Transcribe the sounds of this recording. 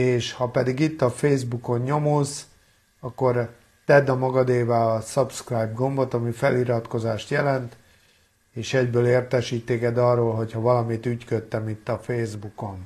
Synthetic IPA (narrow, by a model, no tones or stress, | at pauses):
eːʃhɒpɛd̪iɡit̪ːɒfeːzbuko̞ɲɲo̞moz | ɒkːo̞r | t̪ɛd̪ɒmɒɡɒd̪eːvɛɒsɒpskrajbɡo̞mbo̞t̪ɒmifɛliɾɒt̪ko̞zaːʃt̪jɛlɛnt̪ | eːʃɛɟbøːleːrt̪ɛʃiːt̪ːeːkɛd̪ɒrːoːlɦo̞chɒvɒlɒmit̪yckøt̪ːɛmit̪ːɒfeːzbuko̞n